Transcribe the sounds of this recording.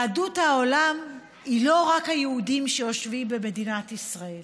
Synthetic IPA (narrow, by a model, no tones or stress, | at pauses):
aduthao̞lam | ilo̞ʁakhajeudimʃejo̞ʃvimbe̞me̞dinatisʁae̞l